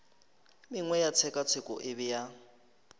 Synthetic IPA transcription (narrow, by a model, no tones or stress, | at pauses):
miŋwɛjat͡sʰɛkʼat͡sʰɪkʼɔ̰ʔɪβija